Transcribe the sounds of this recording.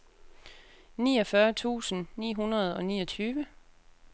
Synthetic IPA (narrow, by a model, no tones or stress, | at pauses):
nḭːɒ̽fɶːɐt͡sʰṵːsn̩nḭːɦunɐð̞̩ˠɒ̽nḭːɒt͡sʰyːʋə